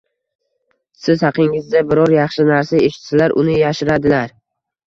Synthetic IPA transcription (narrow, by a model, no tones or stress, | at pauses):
sɪzhɑqʰɪŋɪzd̪abɪɾɒɾjɑχʃɪnaɾsaeʃɪt̪sɪlaɾʔʊ̰nɪjaʃɪɾad̪ɪlaɾ